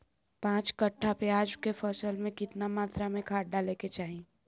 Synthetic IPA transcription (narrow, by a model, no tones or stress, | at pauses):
pãːt͡ʃkəʈʰːapeaːd͡ʒkefʰəsəlmẽkɪt̪namaːt̪ɾamẽkʰaːʈ̚ɖaleket͡ʃaːɦĩ